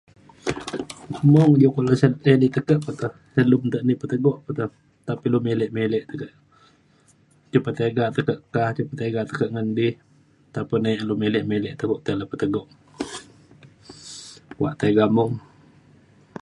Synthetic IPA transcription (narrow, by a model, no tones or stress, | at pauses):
mɔŋd͡ʒukoʔləsət̪ənit̪əkəʔpət̪əh | səlumt̪əʔniʔpət̪əɡɔʔpət̪əh | t̪apilumelɛʔmelɛʔt̪əkəʔ | t͡ʃupət̪eɡat̪əkəʔkaht͡ʃupət̪eɡat̪əkəʔŋəndɪh | t̪apənajaʔlumelɛʔmelɛʔt̪əkuʔt̪ələpət̪əɡɔʔ | waʔt̪əɡamɔŋ